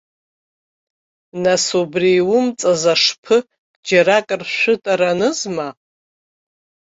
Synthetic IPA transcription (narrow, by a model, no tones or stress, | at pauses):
nasubriwʊmt͡sʼazaʂpʰɨ | d͡ʒaɾakʼrʃʷʊtʼaɾanɨzma